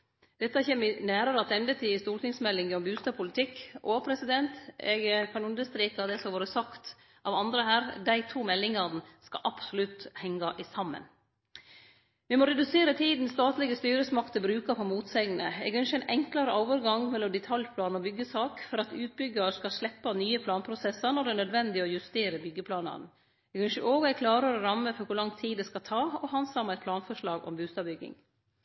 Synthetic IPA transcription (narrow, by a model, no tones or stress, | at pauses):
d̪̥ɛt̪ːəɑçɛnmɪnæːɾəɾəɑt̪ɛnd̪ət̪ʰɪɪst̪uːʈ̪ɪŋsmɛlːɪŋɔmbʉːst̪ɑːpʰʊlɪt̪ʰɪkːopʰɾɛsɪd̪ɛnt̪ɛ̰ɡkʰɑnʉnd̪əst̪ɾiːkɑd̪ɛsɔʋoːɾəsɑkt̪ | ʔɑʋɑnd̪ɾəhæːɾd̪æɪt̪ʰuːmɛlːɪŋɑnəskɑ̰ʔɑpsʊlʉt̪hɛŋːɑʔɪsɑmːə̰n | ʋɪmɔɾɛd̪ʉseːɾət̪ʰiːd̪n̩st̪ɑːt̪lɪɡəst̪yːɾəsmɑkt̪əbɾʉːkɑfɔmuːt̪sɛɡənə̰ɛ̰ɡʉnʃæɪnʔɛŋklɑɾəoːʋəɾɡɑŋmɛlːɔmd̪ɛt̪ʰɑlpʰlɑːnɔbʏɡːəsɑːkfɔɾɑt̪ʉːt̪̚bʏɡɑɾskɑʂlɛpːɑnyːəpʰlɑːnpʰɾʊsɛsːɑnɔɖɛnœd̪ʋɛnd̪ɪɔjʉst̪eːɾəbʏɡːəpʰlɑːnɑ̰d̪n̩ | ɛɡʉnʃəʔoːɡɛkʰlɑːɾəɾɔɾɑmːəfɔɾkʊlɑŋt̪ʰiːd̪ɛskɑt̪ʰɑːɔhɑnsɑmɛt̪pʰlɑːnfɔʂɭɑːɡɔ̰mbʉːst̪ɑbʏɡːɪ̰ŋ